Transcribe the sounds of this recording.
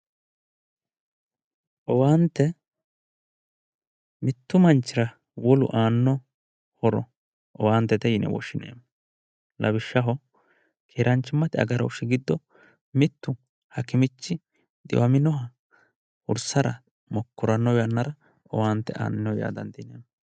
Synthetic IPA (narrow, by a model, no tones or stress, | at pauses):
ʔɔwaːnt̪ːɛ | mɪt̪ːʊmɐnt͡ʃːɪɾɐ | wɔlʊ̰ʔaːnːɔ | hɔɾɔ̰ | ʔɔwaːnt̪ːɛt̪ɛjɪnɛ̰wɔ̰ʃɪnḛːm | lʔɐbɪʃːɐɦɔ | kʰeːɾɐnt͡ʃːɪmːɐt̪ɪɐ̰ɡɐɾɐʊʃɪɡɪd̪ːɔ | mɪt̪ːʊ | hɐkɪmɪt͡ʃːɪ | d̪ʼɪ̰wɐmɪnɔɦɐ | ʊ̰ɾsɐɾɐ̰ | mɔkːɔɾɐnːɔwjɐnːɐɾɐ | ɔwaːnt̪ːɛʔa̰ːnɪnːɔwja̰ːd̪ɐnd̪ɪneːm